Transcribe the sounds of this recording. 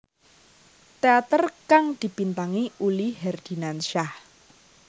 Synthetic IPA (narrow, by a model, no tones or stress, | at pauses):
t̪eat̪ərkaŋd̪̥i̤pint̪aŋiulihɛrd̪̥i̤nanʃah